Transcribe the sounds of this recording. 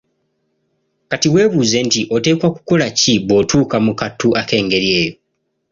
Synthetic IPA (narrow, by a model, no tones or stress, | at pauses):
katiwe̞ːβuze̞ntiʔo̞te̞ːkwaku̥ko̞laciβo̞tʰuːkamukatːuʔake̞ːŋɡe̞ɾje̞ːjo̞